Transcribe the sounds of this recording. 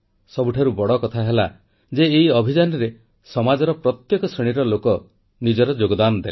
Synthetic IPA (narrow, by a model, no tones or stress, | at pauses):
sɔbuʈʰaɾubɔɽɔkɔt̪ʰaɦela | d͡ʒeːiɔbʱid͡ʒanɔɾe | sɔmad͡ʒɔɾɔpɾɔt̪jekɔsɾeɽ̃iɾɔlokɔ | nid͡ʒɔɾɔd͡ʒoɡɔd̪anɔd̪ele